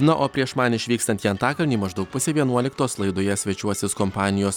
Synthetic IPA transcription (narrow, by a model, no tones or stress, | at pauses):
nʊʔoːpʲɾʲiɛʃmɐnɪʃʲʋʲiːkst̪ɐnt̪ʲiːɐnt̪ɑːkɐlʲnʲiːmɐʒd̪ɐʊpʊsʲɛʋʲiɛnuɔlʲɪkt̪oːslˠɐɪd̪oːjɛsʲʋʲiɛt͡ʃʲuɔsʲɪskɔmpɑːnʲɪjoːs